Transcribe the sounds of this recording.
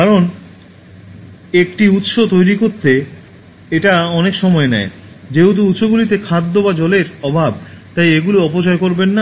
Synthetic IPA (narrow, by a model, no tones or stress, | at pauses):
kaɾon | ekʈiut̪ʃot̪ojɾikoɾt̪ʰe | eʈaɔnekʃɔmɔenɛ̰e | d͡ʑeɦut̪̬uut̪ʃoɡulit̪̬ekʰad̪ːobad͡ʑɔleɾɔbʱab̚t̪ajeɡuliɔpot͡ɕɔekoɾbenːa